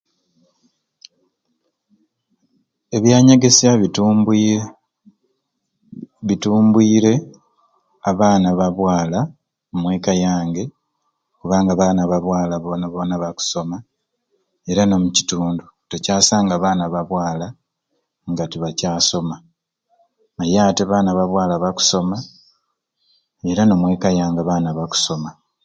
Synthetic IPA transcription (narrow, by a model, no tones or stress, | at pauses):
e̞βjaːɲaɡesa | βituːmbwiːɾe̞ | aβaːnaβaβwaːla | omwe̞ːkajaːŋɡe̞ | kuβaːŋɡaβanaβaβwaːlaβonaβonaβaku̥so̞ma | e̞ɾano̞muci̥tuːndu | tocaːsaːŋɡaβaːnaβaβwaːla | ŋɡatiβacaːso̞ma | majaːteβaːnaβaβwaːlaβaku̥so̞ma | e̞ɾano̞ːmwe̞ːkajaːŋɡaβaːnaβaku̥so̞ma